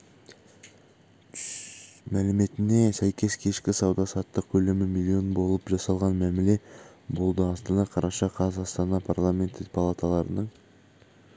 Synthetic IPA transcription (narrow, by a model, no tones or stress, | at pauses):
mælɪme̞t̪ɪne̞sæjkʲe̞skʲʰe̞ʃkʲɪsɑwd̪ɑsɑt̪ːəq̚kʲʰɵlɪmɪmilʲˠːio̞nbo̞lˠəpʒɑsɑlˠʁɑnmæmɪle̞ | bo̞lˠd̪əɑst̪ɑnɑqʰɑɾʔɑʃɑqʰɑzɑst̪ɑnɑpʰarlˠamʲe̞nt̪ɪpʰɑlˠat̪alˠɑɾənəɴ